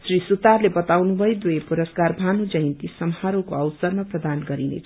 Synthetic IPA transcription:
srisut̪arlebʌt̪awnubʱʌjd̪wuepuɾʌskarbʱanud͡zʌjnt̪isʌmhaɾokoʌwsʌrmaprʌd̪anɡʌɾinḛt͡sʰʌ

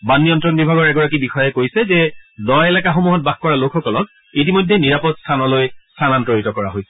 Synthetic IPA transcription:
banːiɔntɹɔnbibʱaɡɔɹɛɡɔɹak̬ibixɔjɛkojsɛzɛdɔjɛlakaxomuɦɔt̚baxkɔɹalokxɔkɔlɔt̚ | it̬imojdʱːeniɹapɔtstʰanɔlojstʰanantɹoɹitɔkɔɹaɦojsɛ̥

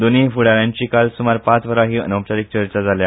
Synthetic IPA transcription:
d̪onefuɽaɾjãɲt͡ɕikalsumaɾpat͡sʋəɾaɦiːə̰nə̃wt͡ɕaɾik̚t͡ɕəɾt͡ɕad͡zalja

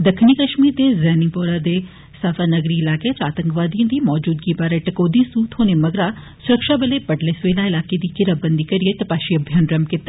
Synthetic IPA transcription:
d̪əkʰniːkəʃmiːɾd̪eːzɛːnipoːɾad̪eː | saːfaːnəɡɾiːɪlaːket̪aːt̪ə̃ŋkʋaːd̪iə̃ːd̪iːmɔːd͡ʒuːd̪ɡiːbaːɾeʈɐkoːd̪ĩsuːt̪ɦoːnemɐɡɾaː | sʊɾəkʃaːbəleːpəɖleːsʋeːlaːɪlaːked̪iːkɪɾabənd̪iːkɐɾijet̪ɐpaːʃiɐbʱjanɾəmkɪt̪ːa

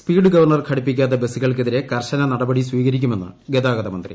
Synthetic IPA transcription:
spiːɖɨɡɐʋɐrɳɐrkʰɐɽipːikʲːaːt̪̬ːɐbesiɣɐɭkeðiɾekɐrɕɐnɐnɐɽɐbɐɽiswiːɣɐɾikʲːume̞nːɨ̰ɡed̪aːɡɐðɐmɐnd̪rḭ

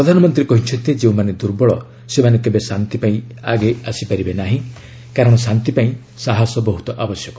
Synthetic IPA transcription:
pɾɔd̪ʱanɔmɔnt̪ɾiɾekɔɦit͡ʃʰɔnt̪id͡ʒeũmaned̪uɾbɔɭɔ | semanekebesant̪ipaĩaɡeasipaɾibenaɦĩ | kaɾɔɽ̃ɔsant̪ipaĩ | saɦasɔbɔɦut̪ɔʔabɔsjɔkɔ

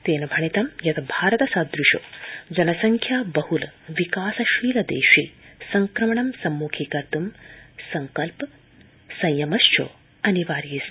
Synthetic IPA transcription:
t̪eːnɐbʱɐɳit̪ɐmjɐt̪ɐbʱaːɾɐt̪ɐsɐd̪ɾuʃo̰d͡ʒɐnɐsɐŋkʰjaːbɐhulʋikaːsɐʃiːlɐd̪ḛːʃiːsɐŋkɾɐmɐɳɐmsɐmːuːkʰiːkɐɾt̪umsɐŋkɐlp | sɐ̃jjɐmɐʃt͡ʃʰo̰ː | ɐniʋaːɾjis

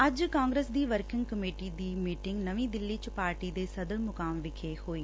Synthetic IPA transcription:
əd͡ʒkaːŋɡɾeːsd̪iːʋəɾkɪ̃ŋɡkəmeːʈiːd̪iːmiːʈɪ̃ŋɡnəʋĩːd̪ɪlːiːt͡ʃpaːɾʈiːd̪eːsəd̪əlmʊkaːmʋɪkʰeːhoːiː

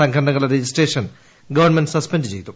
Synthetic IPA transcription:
ɐŋkʰɐɾɐnɐŋːɐɭeɾed͡ʑisʈreːʂɐn | ɡɐʋɐrɳmenɖɨ̥sɐspendɨt͡ɕe̞jt̪ːu

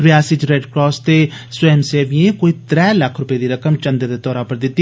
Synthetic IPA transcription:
ɾɪjaːsɪt͡ʃɾɛɖkɾɔːst̪eːswɛmseːʋiẽkoːiːt̪ɾɛːləkʰɾʊpeːd̪iːɾəkəmt͡ʃənd̪əd̪eːt̪ɔːɾaːpəɾd̪ɪt̪ːi

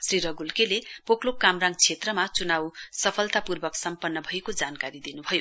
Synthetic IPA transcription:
sriɾʌɡulkelepoklokamraŋt͡sʰet̪rʌmat͡sunawsʌpʰʌlt̪apurbʌksʌmpʌnːʌbʱʌekod͡zankaɾid̪inubʱʌjo

